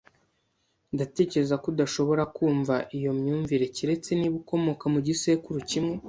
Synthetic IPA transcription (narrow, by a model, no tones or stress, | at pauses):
ndate̞ːce̞ɾe̞zakudaʃo̞βo̞ɾakuːɱvaʔijo̞mɲuːɱviɾe̞ciɾe̞t͡se̞niβuko̞mo̞kamuɟise̞kuɾucimŋe̞